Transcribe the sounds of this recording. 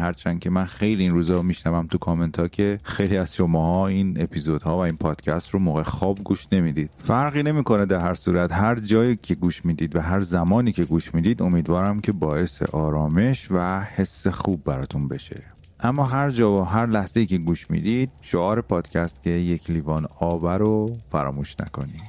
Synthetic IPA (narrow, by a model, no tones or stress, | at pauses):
hæɾt͡ʃʰænd̪cʰe̞mænxejliːnɾuːzɒːɾmiʃnævæmt̪ʰukʰɒment̪ʰɒːcʰe̞xejliːæz̥ʃomɒːhɒːine̞pʰiːzod̪̥hɒːvæinpʰɒːd̪̥cʰæst̪romoːɣexɒːbɡuːʃne̞mid̪iːd̪̥̚fæɾɣiːne̞miːko̞ned̪æɾhæɾsuːɾæt̪ɦæɾd͡ʒɒːjicʰe̞ɡuːʃmiːd̪iːd̪væɦæɾzæmɒːniːcʰe̞ɡuːʃmiːd̪iːd̪o̞miːd̪vɒːɾæmcʰe̞bɒːe̞se̞̰ʔɒːɾɒːme̞ʃvæhe̞sːe̞xuːbːæɾɒːt̪ʰunbe̞ʃe̞̰ | ʔæmːɒːɦæɾd͡ʒɒːvɒɦæɾlæhz̥eiːcʰe̞ɡuːʃmḭːd̪iːd̪̥ʃoɒːɾe̞pʰɒːd̪̥cʲʰæst̪cʰe̞jecʰliːvɒːnɒːbæɾofæɾɒ̰ːmuːʃnæ̰kʰo̞̰nid̪̥